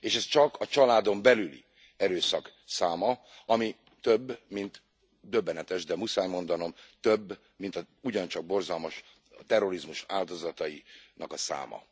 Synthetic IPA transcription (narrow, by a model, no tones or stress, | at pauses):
eːʃɛst͡ʃɒkʰɒt͡ʃɒlaːd̪o̞mbɛlylḭ | ɛɾøːsɒksaːmɒɒmi | t̪øbːmint̪ | d̪ø̞bːɛnɛt̪ɛʃd̪ɛmusaːjmo̞nd̪ɒno̞mt̪øbː | mint̪ɒ | uɟɒnt͡ʃɒɡ̚bo̞rzɒlmɒʃ | t̪ɛrːo̞ɾizmuʃaːld̪o̞zɒt̪ɒjinɒkɒsa̰ːmɒ̰